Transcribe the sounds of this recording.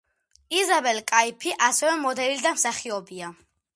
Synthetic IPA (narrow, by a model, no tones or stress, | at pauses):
izabɛlkʼaipʰiʔasɛvɛmɔd̪ɛlid̪amsaχiɔbia